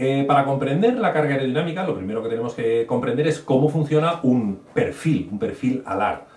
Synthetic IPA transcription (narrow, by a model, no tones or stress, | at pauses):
epaɾako̞mpɾe̞nd̪e̞ɾlakaɾɣaeɾo̞ðinamikalo̞pɾime̞ɾoket̪ene̞mo̞ske̞ko̞mpɾe̞nd̪eɾe̞sko̞mofun̟θjo̞naumpe̞ɾfilumpe̞ɾfila̰la̰ɾ